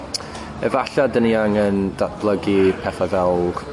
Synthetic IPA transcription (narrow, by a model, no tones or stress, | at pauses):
ɛvaɬadəniaŋɛndab̥lˠəɡipʰɛθɔvɛlˠɡ̥